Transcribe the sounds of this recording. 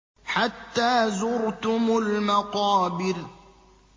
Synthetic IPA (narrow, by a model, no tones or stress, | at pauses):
ħat̪ːaːzʊɾt̪ʊmʊlmɑqɑːbɪɾ